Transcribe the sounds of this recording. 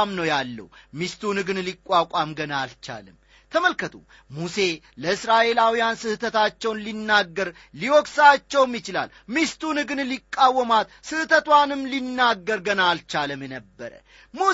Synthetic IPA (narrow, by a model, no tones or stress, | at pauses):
mnəwjalːə̰wmist̪unɨɡɨnlikʼːakʷʼamɡənalt͡ʃa̰ləm | t̪ʰəməlkʰət̪ʰṵ | muse̞ | ləɨsɾaʔe̞lawijansɨht̪ʰət̪ʰat͡ʃːɛwnlinːaɡːəɾ | liwɔksat͡ʃːɛwmjɪt͡ʃɪla̰l | mist̪unɨɡɨnlikʼːawːəmat̪sɨht̪ʰət̪wanɨmlinːaɡːəɾɡənalt͡ʃaləmjɛnəbːəɾə̰ | mu